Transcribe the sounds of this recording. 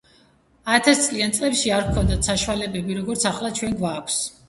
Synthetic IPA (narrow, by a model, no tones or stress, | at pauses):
aɛt̪ʰast̪sʼliant̪sʼlɛpʃiaɾkʰɔnd̪at̪ʰsaʃwalɛbɛbiɾɔɡɔɾt̪sʰaχlˠat͡ʃʰwɛnɡvaːkʷʰs